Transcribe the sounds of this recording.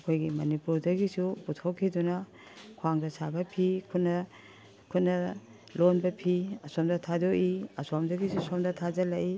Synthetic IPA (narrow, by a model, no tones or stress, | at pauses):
ɐkʰojɡimɐnipuɾdɐɡisuputʰokʰːidunɐ | kʰwaŋdɐsabɐpʰikʰutnɐ | kʰut̚nɐ | lonbɐpʰiɐsomdɐtʰadoʔiɐsomdɐɡisusomdɐtʰad͡ʒɐlɐʔi